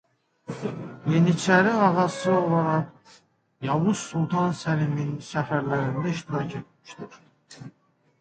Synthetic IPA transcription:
jinit͡ʃʰæɾiɑʁɑsɯo̞lˠɑɾɑʁ | jɑvuzsulˠt̪ʰɑnsæliminsæfæɾlæɾind̪æiʃt̪iɾɑcʰe̞t̪̚mmiʃd̪iɾ

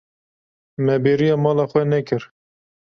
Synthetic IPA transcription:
mɛbeːɾijɑːmɑːlɑːxʷɛnɛkɨɾ

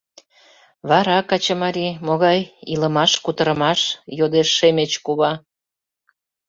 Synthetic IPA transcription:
βɑɾɑkɑt͡ɕəmɑɾʲimoɣɑjiləmɑʃkut̪əɾə̆mɑʃjod̪eʃːemet͡ɕkuβɑ

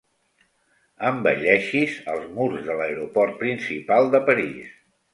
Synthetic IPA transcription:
əmbə̰ʎɛʃizəlˠzmuɾzðələeɾupɔrt̪̚pɾinsipalˠd̪əpəɾis

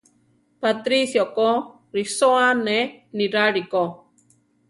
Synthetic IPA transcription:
pat̪ɾisjoko | ɾisoaneniɾaɾiko

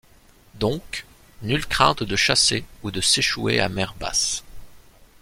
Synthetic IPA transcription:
d̪ɔ̃k | nylkχɛ̃t̪d̪əʃaseud̪əseʃuḛa̰mɛʁba̰s

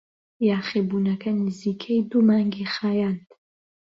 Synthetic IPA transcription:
jaːχeːbuːnɐkʰɐnɨziːkʰejd̪umaːŋɡixaːjaːnd̪

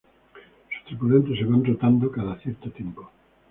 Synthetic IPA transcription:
su̥st̪ɾepulent̪eseβand̪ɾot̪and̪okaðaθjeɾt̪ot̪jempo

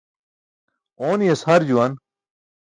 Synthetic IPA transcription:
oːnjɐshɐɾd͡ʑuwɐn

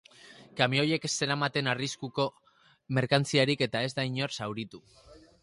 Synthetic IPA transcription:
kamio̞je̞kese̞ɾamat̪e̞nariskuko̞ | me̞ɾkant͡siaɾike̞t̪ae̞zd̪ajɲo̞rsawɾit̪u

